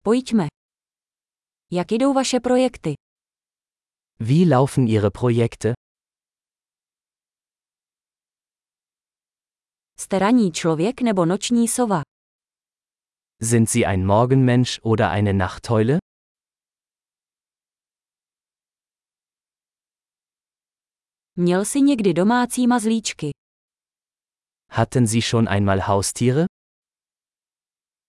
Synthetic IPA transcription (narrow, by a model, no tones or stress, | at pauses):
po̞jcmɛ | jakjɪdo̞wvaʃɛpɾo̞jɛkt̪ɪ | viːlaʊfn̩ʔiːʁəpʁ̥ojɛktʰə | st̪ɛɾaɲiːt͡ʃlovjɛknɛbo̞not͡ʃɲiːsova | zɪntz̥iːʔa̰ɪnmɔɐɡn̩mɛnʃʔoːdɐ̰ʔa̰ɪnənaχthɔʏlə | mɲɛlsɪɲɛɡdɪdo̞maːt͡siːmazliːt͡ʃkɪ | hatʰənziːʃoːnʔa̰ɪnmaːlhaʊstʰiːʁə